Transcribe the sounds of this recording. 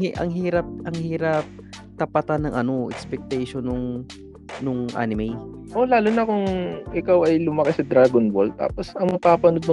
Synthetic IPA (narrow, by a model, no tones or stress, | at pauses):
ʔɐ̰ŋɦiːɾɐp̚ʔɐŋhiːɾɐp̚ | t̪ɐpɐt̪anːɐŋʔɐno̞ʔɛ̰kspɛk̚t̪ɛjʃonʊŋ | nʊŋʔa̰ːnɪmɛj | ʔo̞laːlʊnɐkʊŋʔɪkawɐjlʊmɐkɪsɐd̪ɾaːɡonbold̪̚t̪a̰ːposɐŋmɐpaːpɐnod̪nʊ